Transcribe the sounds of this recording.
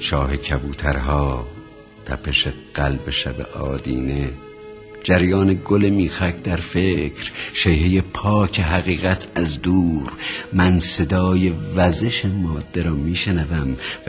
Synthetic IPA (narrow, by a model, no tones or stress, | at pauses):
t͡ʃʰɒːɦekʰæbuːt̪ʰæɾɦɒː | t̪ʰæ̰pʰeʃeɢ̥ælbeʃæbḛʔɒ̰ːd̪ḭːne | d͡ʒæɾjɒːneɡolemiːxækʰd̪æɾfecʰɾʃejɦejepʰɒːcʰeɦæɣiːɣæt̪ʰæzd̪uːɾmænse̞d̪ɒːjevæzeʃemɒːd̪̥ːeɾɒːmiːʃenævæm